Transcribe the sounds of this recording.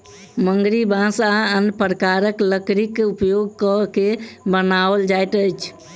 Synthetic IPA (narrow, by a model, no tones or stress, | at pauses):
məŋɡɾibãsaənpɾəkaɾəkləkɾikupjoɡkɔkebənabəld͡ʒajt̪əjt͡ʃʰ